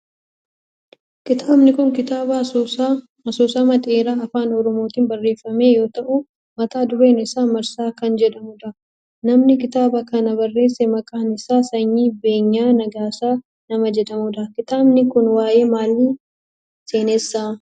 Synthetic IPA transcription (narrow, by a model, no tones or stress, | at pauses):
kɪt̪aːbnɪkʊŋkɪt̪aːbɐ | ɐsoːsaːmɐt̪ʼe̞ːɾaːɐfaːnɔɾɔmo̞ːt̪iːnbɐrːe̞ːfːɐme̞ːjo̞ːt̪ɐʔʊ | mɐt̪aːd̪ʊɾe̞ːnɪsaːmɐɾsaːkɐnd͡ʒɛᶑɐmʊd̪ɐ | nɐmnɪkɪt̪aːbɐkɐnɐbɐrːe̞ːsːɛmɐkʼaːnɪsaːsɐɲːiːbe̞ːɲːaːnɐɡaːsaː | nɐmɐd͡ʒɛᶑɐmʊd̪ɐkɪt̪aːbnɪkʊnwaːje̞ːmaːlːɪ | se̞ːnɛsːa